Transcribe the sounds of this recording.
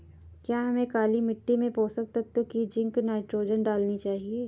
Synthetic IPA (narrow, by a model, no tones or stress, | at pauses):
kjaːɦɐmẽkaːlimɪʈːimẽpoːsɐk̚t̪at̪ːokid͡ʒɪ̃ŋknaːɪʈɾoːd͡ʒənɖaːlnit͡ʃaːɦieː